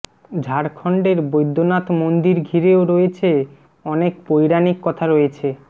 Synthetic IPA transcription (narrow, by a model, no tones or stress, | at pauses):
d͡ʑʱaɾkʰɔɳɖeɾbojd̪ʱːonat̪mond̪iɾɡʱiɾeoɾoet͡ɕʰe | ɔnekpojɾanikːɔt̪ʰaɾoet͡ɕʰe